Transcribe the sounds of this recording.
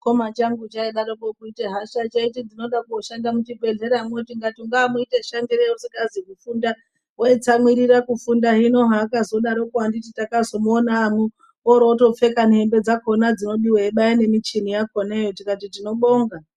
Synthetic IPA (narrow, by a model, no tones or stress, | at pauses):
ko̞mat͡ʃaŋɡut͡ʃaiɗaɾokokuiteɦaʃat͡ʃaitid͡zino̞ɗakuoʃandamut͡ʃibʱe̞ɮe̞ɾamwotiŋɡatuŋɡaːmuiteʃandiɾeusikazikufunda | weet͡samwiɾirakufundaɦino̞ɦaːkazo̞ɗaɾo̞kwandititakazo̞mːnaːmu | oɾoto̞p͡fe̞kanembe̞d͡zako̞nad͡zino̞ɓiwaeɓaine̞mit͡ʃinijako̞nejotikatitino̞ɓoːŋɡa